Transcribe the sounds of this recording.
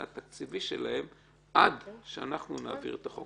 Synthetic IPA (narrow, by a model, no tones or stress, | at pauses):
a̰t̪akt͡siviʃḛlahe̞m | ʔad̪ʃea̰naχnunaːvḭʁet̪aχo